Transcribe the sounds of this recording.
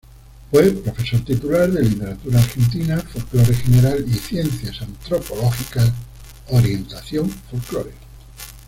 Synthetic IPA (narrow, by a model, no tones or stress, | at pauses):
fwepɾo̞fe̞so̞ɾt̪it̪ulaɾðe̞lit̪e̞ɾat̪uɾaːɾxe̞nt̪̬inafolklo̞ɾexeneɾaliθje̞nθjasant̪ɾo̞poloxika | oɾje̞nt̪aθjoɱfolkloɾe